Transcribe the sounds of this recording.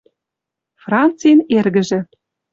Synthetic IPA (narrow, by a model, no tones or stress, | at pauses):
frɑnt͡sijnerɣɘ̆ʒɘ̆